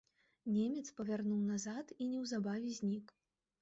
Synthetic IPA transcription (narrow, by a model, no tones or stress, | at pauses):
nʲemʲɛt̪spɐvʲarnuwnazat̪inʲɛwzabavʲɛzʲnʲik